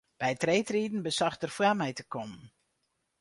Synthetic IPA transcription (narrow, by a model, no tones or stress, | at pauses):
b̥ɛjtrejtriːdn̩bəsaxtərfwaːmɛjtəkɔmən